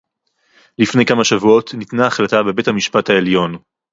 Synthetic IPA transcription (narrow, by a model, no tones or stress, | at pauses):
lifne̞jkamaʃavuo̞tnitnaːχlatabe̞be̞thamiʃpathaeljo̞n